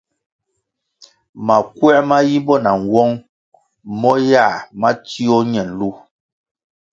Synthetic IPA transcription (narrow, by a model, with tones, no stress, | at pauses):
ma˨kwɛ˦ʔma˦ji˦bɔ˦na˨ŋ˨wɔ˦ŋ | mɔ˦ja˦˨ma˦ti˦ɔ˦ɲɛ˨n˨lu˦˨